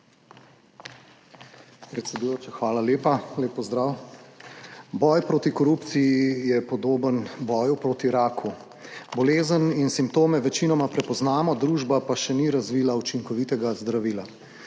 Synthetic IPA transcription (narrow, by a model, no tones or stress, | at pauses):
pɾɛt̪sɛd̪ujoːt͡ʃaxʋaːlaleːpaleːpːɔzd̪ɾaːw | bɔjpɾoːt̪ikɔɾupt̪sijijɛpɔd̪oːbənbɔːjupɾoːt̪iɾaːkʰu | bɔleːzəninsimpt̪oːmɛʋɛt͡ʃiːnɔmapɾɛpɔznaːmɔd̪ɾuːʒbapaʃɛniɾazʋiːlaut͡ʃiŋkɔʋit̪ɛɡazd̪ɾaʋiːla